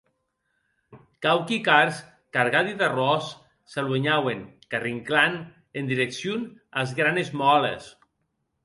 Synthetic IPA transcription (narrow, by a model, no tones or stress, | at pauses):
kawkikaɾs | kaɾɣaðiðarɔsː | alweɲaweŋkariŋklan | end̪iɾeksjunazɣɾanezmɔlḛs